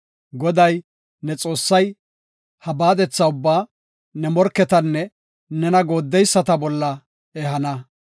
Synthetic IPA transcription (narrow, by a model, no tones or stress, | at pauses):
ɡɔd̪ɐj | nɛt͡sʼo̞ːsːɐj | hɐbaːd̪ɛt͡sːɐʊbːaː | nɛmɔɾkːɛt̪ɐnːɛ | nɛnɐɡo̞ːd̪ːɛjsːɐt̪ɐbɔlːɐ | ɛɦɐnɐ